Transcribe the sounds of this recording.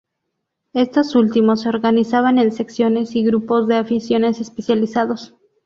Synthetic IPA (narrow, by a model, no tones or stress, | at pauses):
e̞st̪o̞sult̪imo̞sːeoɾɣanisaβane̞nse̞ksjo̞ne̞siɣɾupo̞zðe̞afisjo̞ne̞se̞spesjalisaðo̞s